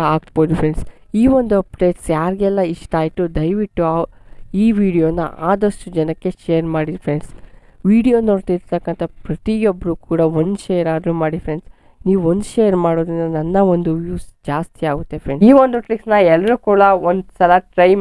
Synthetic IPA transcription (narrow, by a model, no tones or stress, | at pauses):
aːk̚boːd̪upʰɾeɳɖs | iːʋond̪uɐpɖe̞ːʈsjaːɾiɡɛlːɐiʂʈaːjit̪ud̪ɐjʋiʈːuaiːʋiːɖijoːnːɐ̰ʔaːd̪ɐʂʈud͡ʒɐnɐkːe̞ʃejɐɾmaːɽid̪pʰɾe̞ɳs | ʋiːɽijoːnoːɾt̪iːɾt̪ɐkːɐnt̪ʰɐpɾɐt̪iobːɐɾukuːɽɐond̪ʃeːɐɾaːd̪ɾumaːɽipʰɾe̞ɳɖs | niːʋuond̪ʃeːɐɾmaːɽoːd̪ɾinːɐnɐnːɐond̪uʋjuːsd͡ʒaːst̪iaːɡut̪ːe̞pʰɾeɳiːʋond̪uʈɾiksnɐɛlːɐɾuːkuːɽɐond̪sɐlɐʈɾɐj